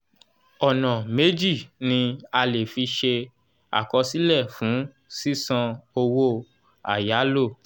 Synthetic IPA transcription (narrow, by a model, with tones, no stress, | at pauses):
ɔ˨nã˨me˦d͡ʒi˦˨nĩ˧a˧le˨fi˧ʃe˧ | a̰˨kɔ˧si˦lɛ˦˨fũ˨˦ | si˦sã˧o˧wo˦ | a̰˨ja˨˦lo˦˨